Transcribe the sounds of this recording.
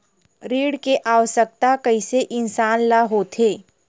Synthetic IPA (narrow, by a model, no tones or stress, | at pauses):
ɾiːɽkeʔaːʋəʃək̚t̪akɐiseʔɪnsaːnlaɦot̪ʰeː